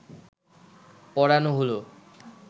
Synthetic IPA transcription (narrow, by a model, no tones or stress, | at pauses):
pɔɽanoɦolo